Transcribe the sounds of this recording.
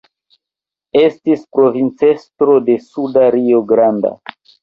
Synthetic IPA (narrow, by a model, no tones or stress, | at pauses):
e̞stispɾo̞vint͡se̞stɾo̞de̞sudaɾioɡɾanda̰